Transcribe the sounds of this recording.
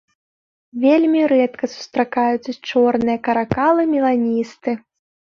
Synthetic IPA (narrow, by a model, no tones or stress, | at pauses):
vʲelʲmʲiɾɛt̪kɐsu̥st̪ɾakajut̪sɐt͡ʂɔrnɨjɐkɐɾakalˠɨmʲilˠanʲist̪ɨ